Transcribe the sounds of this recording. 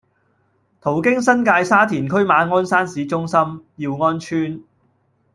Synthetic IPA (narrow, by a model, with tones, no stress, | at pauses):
t̪ʰo˨˩wkɪ˥ŋsɐ˥nkaː˧jsaː˥t̪ʰiː˨˩nkʰɵ˥ɥmaː˨˧˥ŋɔː˥nsaː˥nsiː˨˥t͡sʊ˥ŋsɐ˥mjiː˧wŋɔː˥nt͡ʃʰyː˥n